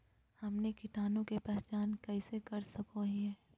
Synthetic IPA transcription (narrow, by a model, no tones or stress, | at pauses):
hɐmnekɪʈaːnõkepɛɦt͡ʃaːnkɛːsekɐɾsɐkoɦĩɛː